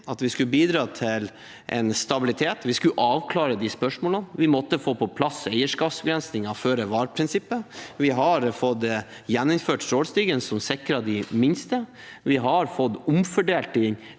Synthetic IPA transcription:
ɑt̪ʋɪskʉəbiːd̪ɾɑːt̪ʰɪl | ʔɛ̰nst̪ɑbɪlɪt̪ʰeːt̪ʋɪskʉʔɑːʋkʰlɑːɾəd̪ɪspœʂmoːlənʋɪmɔt̪ːəfoːpʰɔpʰlɑsɛɪəʂkɑːpsbɡɾɛnsnɪŋɑføːɾəʋɑːɾpʰɾɪnsɪpːəʋɪɦɑɾfɔd̪ | jɛnːʊmføːʈst̪ɾoːlst̪iːɡənsɔmsɪkɾɑd̪ɪmɪnst̪ə | ʋɪɦɑɾfɔt̪ːʊmfɔɖeːlt̪ɪŋ

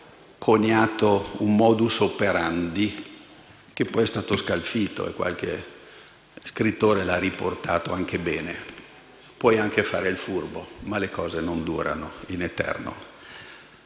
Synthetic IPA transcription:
kʰoɲaːt̪ounmɔːd̪usopeɾand̪i | k̟epːɔjɛst̪aːt̪oskalfiːt̪o̰ḛkːwʔa̰lkḛ | skɾit̪ːoːɾelariport̪a̰ːt̪oaŋkebɛːne | pwɔjaŋkefaːɾeilfurbomalekɔːzenond̪ṵːɾa̰noinet̪ɛ̰rno̰

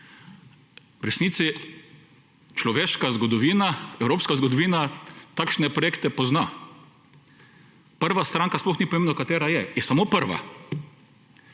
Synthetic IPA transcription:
wɾɛsniːt̪si | t͡ʃlɔʋeːʃkazɡɔd̪ɔʋiːnaɛwɾoːpskazɡɔd̪ɔʋiːnat̪akʃnɛpɾɔjeːkt̪ɛpɔzna | pəɾʋast̪ɾaŋkasplɔxnipɔmeːmnakat̪eːɾajɛjɛsamopəɾʋa̰

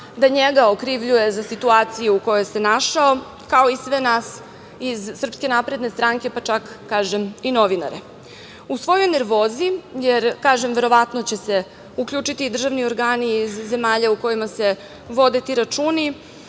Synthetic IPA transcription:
d̪aɲeɡaokɾiʋʎuje̞zasit̪uaːt̪sijuuko̞jojse̞naʃao̞ | kao̞isʋe̞naːs | izsr̩pske̞napɾe̞d̪ne̞st̪ɾaŋke̞pat͡ʃakːaːʒemino̞ʋina̰ɾe | usʋo̞jo̞jne̞ɾʋo̞ːzijeɾkaːʒe̞mʋe̞ɾo̞ʋat̪not͡ɕe̞se̞ | ukʎʲuːt͡ʃit̪iːd̪r̩ʒaʋnio̞ɾɡaːniːzːe̞maːʎauko̞jimase̞ | ʋo̞d̪e̞t̪iɾat͡ʃuːni

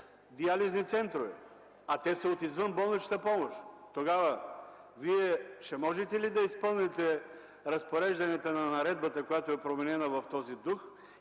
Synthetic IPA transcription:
d̪ializnit̪sɛnt̪ɾovɛ̰ | at̪ɛsəot̪izvənbɔlˠnit͡ʃt̪əpɔmoʃt̪oɡavɐ | viɛʃɛmɔʒɛt̪ɛlid̪ɐispɤlˠnɛt̪ɛ | ɾɐspoɾɛʒd̪ɐnɛt̪ənɐnɐɾɛd̪̚bɐt̪ɐkojat̪oɛpɾomɛnɛnɐvɐft̪ɔzid̪ux

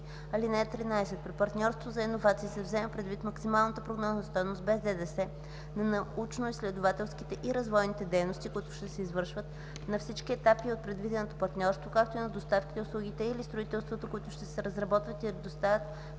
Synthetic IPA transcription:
ɐlinɛt̪ɾinaɛsɛt̪̚pɾipɐɾt̪nʲɔɾst̪vozɐinovat̪siːsɛvzɛmɛpɾɛd̪vit̪mɐksimalˠnət̪əpɾoɡnɔznɐst̪ɔjnost̪bɛzd̪ɛd̪ɛsɛ | nɐnɐut͡ʃnoislɛd̪ovat̪ɛlˠskit̪ɛʔiɾɐzvɔjnit̪ɛd̪ɛjnost̪ikʊit̪ʊ̥ʃt̪ɛsɛizvɤɾʃvət̪ | nɐfsit͡ʃk̟iɛt̪apiot̪̚pɾɛd̪vid̪ɛnot̪opɐɾt̪nʲɔɾst̪vokak̚t̪oinɐd̪ost̪afkit̪ɛʊslˠuɡ̟it̪ɛilist̪ɾoit̪ɛlˠst̪vot̪okʊit̪ʊʃt̪ɛsɛɾɐzɾɐbɔt̪vət̪iɾd̪ost̪avʲət̪

